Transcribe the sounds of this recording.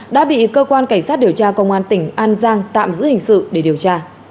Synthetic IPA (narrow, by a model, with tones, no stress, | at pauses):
ɗa̰ː˧˥ɓḭ˧˨kəː˧kwaː˧nka˧˩ŋ̟saː˦˥t̚ɗi˨˩əwt͡ɕaː˧kə˧wŋ͡mʔaː˧nt̪ï˧˩ŋ̟ʔaː˧nzaː˧ŋt̪a̰ː˧˨mzɨ̰˧˥hï˨˩ŋ̟sɨ̰˧˨ɗe˧˩ɗi˨˩əwt͡ɕaː˧